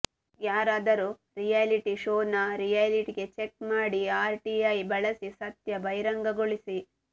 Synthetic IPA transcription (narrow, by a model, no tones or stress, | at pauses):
jaːɾaːd̪ɐɾu | ɾijaliʈiʃoːnɐɾijɐliʈiɡe̞t͡ʃek̚maːɽiaːɾʈiɐjbɐɭɐsisɐt̪jɐbɐjɾɐŋɡɐɡoɭisi